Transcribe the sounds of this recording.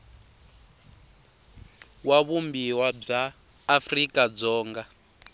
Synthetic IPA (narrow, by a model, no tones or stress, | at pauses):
waβumbiwab͡ʐaː | frikʼad͡zɔːŋɡa